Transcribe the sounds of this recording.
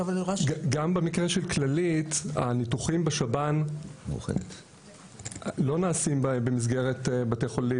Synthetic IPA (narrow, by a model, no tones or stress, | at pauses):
valiʁaɡambemikʁeʃelklalita̰nituχimbeʃabanm̰uχḛnt̪ | lo̞naːsimbebemiz̬ɡeʁetbateχolim